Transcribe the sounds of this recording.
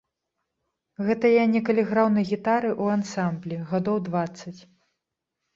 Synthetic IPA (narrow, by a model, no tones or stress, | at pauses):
ɣɛt̪ɐjanʲɛkɐlʲɛɣɾawnɐjɣʲit̪aɾɨʔuansamblʲiɣad̪ɔwd̪vat̪sːɐt͡sʲ